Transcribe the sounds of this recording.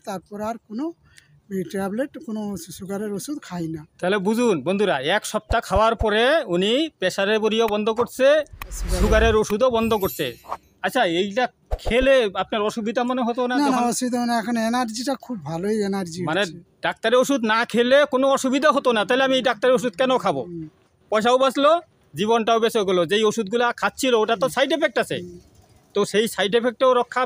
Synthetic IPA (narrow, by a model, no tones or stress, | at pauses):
t̪aɾpɔɾaɾkono | iʈɛbleʈkonosuɡaɾeɾosud̪kʰajnat̪aɦelebud͡ʑʱunbond̪ʱuɾaɛkʃɔb̚t̪akʰaoaɾpɔɾeunipɛʃaɾeboɾijobɔnd̪ʱokoɾt͡ɕʰeʃukaɾeɾoʃud̪obɔnd̪ʱokoɾt̪ḛ | at͡ɕːɕʰaejʈa | kʰeleapnaɾɔʃubid̪ʱamoneɦot̪onanaaaɔʃubid̪ʱamaneɛkʰaneenaɾd͡ʑiʈakʰubːʱaloijenaɾd͡ʑimaneɖak̚t̪aɾeoʃud̪nakʰelekonoɔʃubid̪ʱaɦot̪onat̪aɦileamiejɖak̚t̪aɾeɾoʃ̬ud̪̚kɛnokʰabo̰ | pɔjʃ̬aobaslo | d͡ʑiβonʈaobesoɡolod͡ʑejoʃud̪̚ɡulakʰat̪̚ːt͡ɕʰilooʈat̪osajʈepʰek̚ʈasʰḛ | t̪oʃejsajʈepʰek̚ʈeoɾɔkʰːa